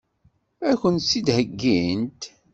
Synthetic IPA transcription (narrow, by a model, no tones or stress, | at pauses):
æçənt̪sid̪həɡːint̪